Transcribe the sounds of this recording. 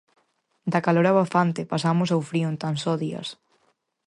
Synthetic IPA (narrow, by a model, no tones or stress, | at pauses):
d̪akaloɾaβafant̪epasamʊsawfɾiont̪ansɔðiɐ̰s